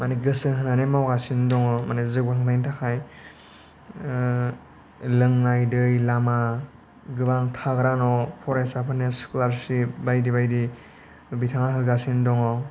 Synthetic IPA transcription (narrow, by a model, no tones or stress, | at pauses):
maniɡɯsɯɦɯnanemawɡasindɔŋɔmanezɯk̚baŋbajntʰakʰaj | lɯŋnajdɯjlama | ɡɯbaŋtʰaɡɾanɔpʰɔɾajsapʰɯnesklaɾsibajdiβajdi | bitʰaŋaɦɯɡasindɔŋɔ